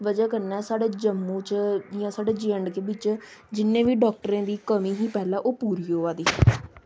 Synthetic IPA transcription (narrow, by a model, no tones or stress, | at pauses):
ʋəd͡ʒaːkəɾnɛːsaːɖeːd͡ʒəmːũːt͡ʃjãːsaːɖeːd͡ʒəɳɖkeːbɪt͡ʃd͡ʒɪnːẽːʋiːɖɔːk̚ʈəɾẽːd̪iːkəmiːɦiːpɛːlãːʔoːpuːɾiːɦoːaːd̪iː